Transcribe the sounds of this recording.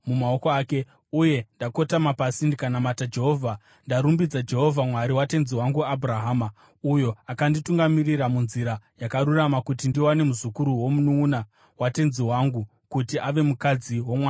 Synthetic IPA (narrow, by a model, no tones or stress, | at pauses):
mumao̞koaːke̞ | uje̞ndako̞tamapasindikanamatad͡ʒe̞ɦo̞vʱa | ndaɾumbid͡zad͡ʒe̞ɦo̞vʱamwaɾiwate̞nziwaŋɡuaburaɦaːma | ujo̞akandituŋɡamiriɾamunziɾajakaɾuramakutindiwane̞muzukuɾuwo̞munuːna | wate̞nziwaŋɡu | kutiʔaʋe̞mukad͡ziwo̞mwaa